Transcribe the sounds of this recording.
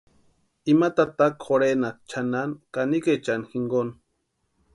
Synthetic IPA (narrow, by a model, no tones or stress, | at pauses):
imat̪at̪akxoɾenat͡ʃʰanankaniket͡ʃanxiŋɡon